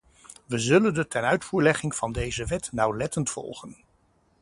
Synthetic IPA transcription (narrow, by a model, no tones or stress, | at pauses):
ʋəzɵləndətɛnœɥtfuːɹlɛχɪŋv̥ɑndejzəʋɛtnɑwlɛtəntfɔ̰lˠχən